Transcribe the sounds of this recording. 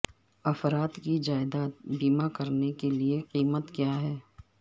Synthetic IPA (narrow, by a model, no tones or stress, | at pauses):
ɐfɾaːt̪kid͡ʒaːɪd̪aːt̪̚biːmakɐɾnekelieqiːmət̪kjaːɦɛː